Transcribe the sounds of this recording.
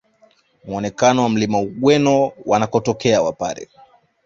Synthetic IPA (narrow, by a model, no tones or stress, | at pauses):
muɔnɛkanɔwam̩limauɠwɛnɔwanakɔtɔkɛawa̰pa̰ɾɛ̰